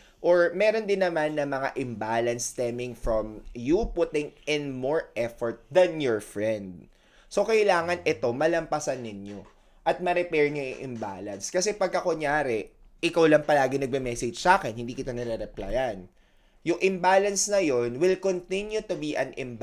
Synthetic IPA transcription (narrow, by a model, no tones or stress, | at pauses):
ʔoɹmɛːɾo̞nd̪ɪnːɐmanːɐmɐŋa̰ʔɪmbalɐnst̪ɛmɪŋfɹɔmjupʊt̪ɪŋɪnmoɹʔɛfɔɹt̪̚d̪ɐnjɔɹfɹɛnd̪̚ | sokɐʔɪlaːŋɐnʔɛt̪o̞mɐlɐmpɐsɐnːɪnjo | ʔɐt̪̚mɐɾɛpɛɹŋʊjʊŋʔɪ̰mba̰lɐnskɐsɛpɐɡ̚ʔɐkoɲjaːɾɛ | ʔɪkawlɐŋpɐlaːɡɪŋnɐɡ̚bɛmɛsɛd͡ʒsaːkɛnhɪnd̪iːkɪt̪onɐɾɛɾɛplajɐn | jʊŋʔɪmbaːlɐnsnɐjo̞nwɪlkont̪ɪnjut̪ʊbiʔɐnɪmb